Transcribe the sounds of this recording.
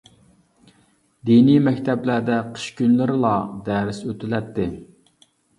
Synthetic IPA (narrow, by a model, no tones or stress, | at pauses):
d̪inimɛkʲt̪ʰɛblæɾd̪ɛqʰə̥ʃkʲynlɪɾɪlˠɑd̪æːɾɪsøt̪ʰɪlɛt̪ːɪ